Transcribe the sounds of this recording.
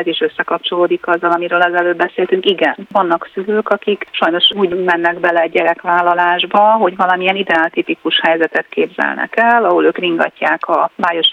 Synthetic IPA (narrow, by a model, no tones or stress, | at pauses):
zeːʃø̞sːɛkɒp̚t͡ʃo̞loːd̪ikɒzːɒlɒmiɾøːlɛzɛløːd̪bɛseːlt̪yŋkiɡɛnvɒnːɒksyløːkɒkikʃɒjno̞ʃuːɟmɛnːɛɡbɛlɛɛɟɛɾɛkʋaːlːɒlaːʒbɒɦo̞ɟʋɒlɒmiɛnid̪ɛaːlt̪ipikuʃhɛjzɛt̪ɛt̪keːbzɛ̰lnɛ̰kɛlːɒɦoløːkriŋɡɒ̰cːaːkɒbaːjo̞ʃ